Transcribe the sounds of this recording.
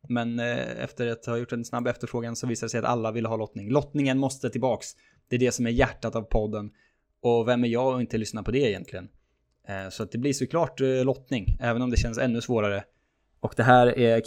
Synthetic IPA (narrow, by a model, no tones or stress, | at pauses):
mɛnɛ̰ft̪əɾat̪haɾjʊʈːɛnsnabːɛft̪əɾfɾoːɡansɔviːsad̪əsɛjat̪a̰lːavɪlːəɦɑːlɔt̪nɪŋlɔt̪nɪŋənmɔst̪ət̪ʰɪlbɑːks | d̪̥ɛæɖɛsɔmæɾjæʈːat̪avpʰɔd̪ːən | ɔvɛmːæɾjɑːɡɔɪnt̪əlʏsnapʰɔd̪ɛːjɛ̰nt̪lɪɡən | sɔat̪̚d̪ɛblɪʂɔkʰlɑːʈlɔt̪nɪŋɛːvənɔmd̪ɛɕɛnsɛnːɵsvoːɾaɾə | ɔkd̪ɛɦæːɾæ